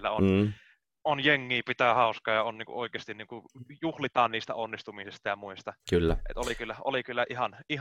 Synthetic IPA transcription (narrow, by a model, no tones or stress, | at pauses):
lːæ̰o̰n | onjeŋːiːpit̪æhɑˑuskɑːjɑonniːŋkṵʔʔoˑikˑeːst̪inniːŋkujuhlit̪ɑːnniːst̪æ̰onːist̪umisest̪ɑjɑmuist̪ɑkylːæḛt̪olikylːæʔo̰likylːæʔihɑnih